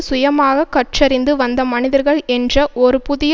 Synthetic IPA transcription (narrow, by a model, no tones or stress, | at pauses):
sʊjɐmaːɣɐkːɐʈ̚t͡ʃɐɾɪnd̪ɯʋɐnd̪ɐmɐnɪðɐɾɣɐɭɛndrɐʔɔɾɯpʊðɪj